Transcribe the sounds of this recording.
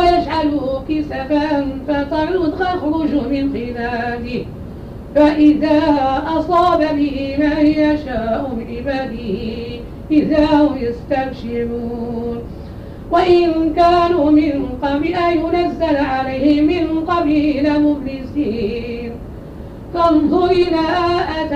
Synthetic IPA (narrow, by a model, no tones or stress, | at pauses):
wajad͡ʒʕalʊkɪsafanfat̪ɑɾʊd̪ɑxɾˤʊd͡ʒmɪnqɪlaːd̪ɪh | faʔɪðaːʔɑsˤɑːbabɪhɪmaːhɪjaʃaːʔʊmɪʕʔɪbaːd̪ɪh | ʔɪðaːhʊmjast̪abʃɪɾuːn | waʔɪnkaːnuːmɪnqɑbiʔajmʊnazːalʕalajhɪmɪnqɑbiːlamʊblɪsiːn | fɑnðˤʊɾɪnaʔat̪